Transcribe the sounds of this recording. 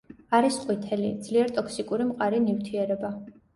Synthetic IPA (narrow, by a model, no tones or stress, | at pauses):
aɾisqʼwit̪ʰɛlid̪z̥liɛɾt̪ʼɔkʰsikʼuɾimqʼaɾinift̪ʰiɛɾɛba